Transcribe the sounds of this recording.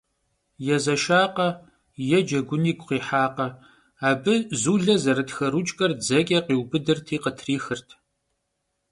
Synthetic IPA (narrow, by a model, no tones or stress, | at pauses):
jɛzɐʃaːqɐ | jɛd͡ʒɐɡʷʊniːɡʷqʷiːħaːqɐ | aːbɨzuːɮɐzɐɾɨtxɐɾut͡ʃʼkʼɐrd͡zɐkʲʼɐqiːwbɨdɨrtʰiːqətʰriːxɨrtʰ